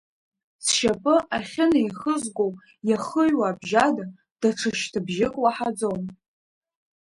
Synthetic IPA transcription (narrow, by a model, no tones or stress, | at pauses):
sʃapʼɨaχʲɪnaiχəzɡʷow | jaχəʒwaːbʒada | d̥aʈ͡ʂʰɨʃtʰɨbʒɪkʼwaħad͡zon